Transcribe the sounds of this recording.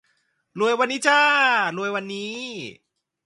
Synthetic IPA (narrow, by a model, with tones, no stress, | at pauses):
lu˧əjwa˧nːiː˦˥t͡ɕaː˥˩lu˧əjwa˧nːiː˦˥